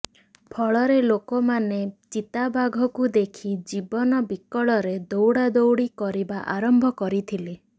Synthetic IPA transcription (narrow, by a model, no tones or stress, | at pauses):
pʰɔɭɔɾelokɔmanet͡ʃit̪abʱaɡʱɔkud̪ekʰid͡ʒibɔnɔbikɔɭɔɾed̪owɽad̪owɽikɔɾibaʔaɾɔmbʱɔkɔɾit̪ʰile